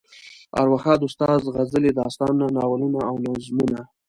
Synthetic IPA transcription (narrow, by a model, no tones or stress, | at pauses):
a̰ɾwaxɑd̪ʊst̪ɑzɣazəled̪ɑst̪ɑnnanɑwalunaːwnazmuna